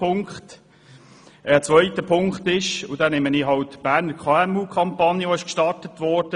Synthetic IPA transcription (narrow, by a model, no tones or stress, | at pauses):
pʊŋkχt | ɛːt͡sʋœʏtəpʰʊŋktɪʃʊdaːneməniːɦɑltb̥æːɾnəkʰaɛmuːkʰɑmpɑnjəʋoɪʃkʃtɑrtətʋɔːd̥ə